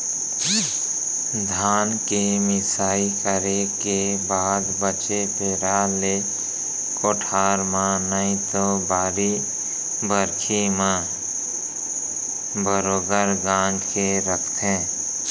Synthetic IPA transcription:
d̪ʱaːnkemɪsaːikəɾeke | baːd̪bət͡ʃepeɾaːle | koːʈʰaːɾmãnəĩt̪obʱaːɾi | bəɾkʰimã | bəɾoːɡəɾɡãːnd͡ʒkeɾəkʰt̪ɛ̃ː

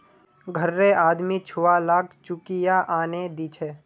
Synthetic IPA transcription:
ɡʱəɾːeʔaːd̪mit͡ʃʰʊʋalaːk̚t͡ʃʊkijaʔaːned̪iːt͡ʃʰeː

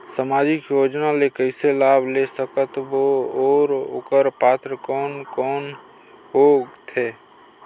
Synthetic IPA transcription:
samad͡ʒɪkjoːd͡ʒnalekəɪselaːbʱlesəkət̪booːɾo̰kəɾpaːt̪ɾəkɔːnkɔːn | ɦoɡt̪ʰe

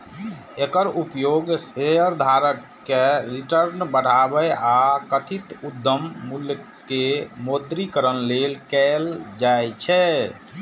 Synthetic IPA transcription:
ekəɾupjoɡseəɾd̪ʱaɾəkːeɾiʈəɾnbəɽ̤abəjakət̪ʰit̪ud̪ːəmːulj | kemod̪ɾikəɾənlelkɛld͡ʒajt͡ʃʰɛ

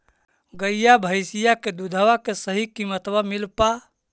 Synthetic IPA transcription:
ɡəjjabʱəjsijaked̪ud̪ʱəʋakesəɦikimət̪wamilpa

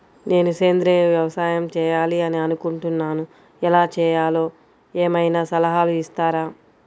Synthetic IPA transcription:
ne̞ːnuse̞ːnd̪ɾeːʋjɐʋɐsaːjɐmt͡ʃɛːjaːliɐniɐnukuɳʈunːaːnu | ɛlaːt͡ʃɛːjaːlo̞ː | eːmɐjnaːsɐlɐɦaːluist̪aːɾaː

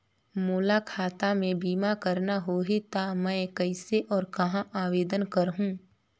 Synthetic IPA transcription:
muːlakʰaːt̪amẽbiːmakəɾnaɦoːɦit̪amɛ̃ːkɛɪseʔɔːɾkɐɦãʔaːʋeːd̪ənkɐɾɦũː

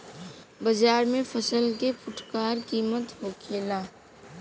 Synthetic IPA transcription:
bəd͡ʒaːɾmẽfʰəsəlkepʊʈʰkaːɾkiːmət̪ɦoːkʰeːlaː

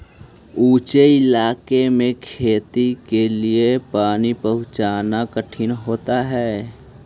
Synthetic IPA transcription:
uːt͡ʃeɪlaːkemẽkʰeːt̪ikeliepaːnipəɦʊ̃t͡ʃaːnakəʈʰɪnɦoːt̪aɦɛː

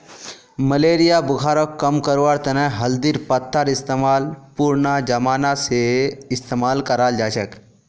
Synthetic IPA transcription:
məleːɾɪjabʊɡʰʱaːɾokkːəmkəɾʋaɾt̪ɐnɛɦɐld̪iɾpət̪ʰːəɾɪst̪emaːlpuɾnad͡ʒɐmaːnaseɪst̪eːmaːlkəɾaːld͡ʒaːt͡ʃək

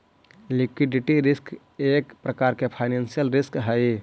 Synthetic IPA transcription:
likwiɖiʈiɾɪsk | eːkpɾəkaːɾkepʰaɪnẽnsijəlɾɪskɦəi

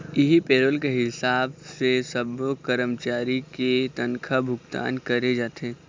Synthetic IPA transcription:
ɪɦipeːɾolkeɦɪsaːbsesɐbokəɾəmt͡ʃaːɾiket̪ɐnkʰabʱʊɡt̪a̰ːnkɐɾed͡ʒaːt̪ẽː

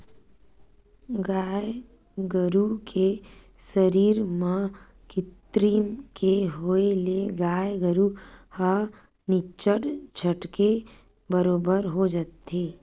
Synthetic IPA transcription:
ɡaːj | ɡəɾukʰesəɾiːɾmã | kɪt̪ɾiːnkeɦoeleɡaːjɡəɾuhə | nɪt͡ʃəʈt͡ʃʰəʈke | bəɾoːbəɾɦod͡ʒat̪eː

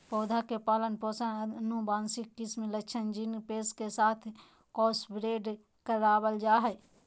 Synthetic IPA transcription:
pɔːd̪ʱakepaːlənpoːsənubaːnsɪkːismelət͡ʃʰənd͡ʒinpeːskesaːt̪ʰ | kɔːsbɾeːɖ | kəɾaːbəld͡ʒaːɦɛ

